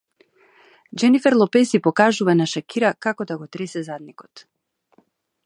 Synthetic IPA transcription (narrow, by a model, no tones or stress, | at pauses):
d͡ʒɛnifɛɾlˠɔpɛzipɔkaʒuvanaʃakiɾakakɔd̪aɡɔt̪ɾɛsɛzad̪̚nikɔt̪